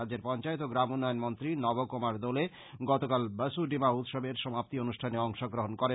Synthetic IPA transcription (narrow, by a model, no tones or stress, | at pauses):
add͡ʑːeɾpɔnt͡ɕaet̪oɡɾamunːajonmont̪ɾinɔbokomaɾd̪ɔle | ɡɔt̪okalbəsuɖimaut̪ʃobeɾʃɔmap̚t̪ionuʃʈʰaneɔŋʃoɡɾoɦonkɔɾe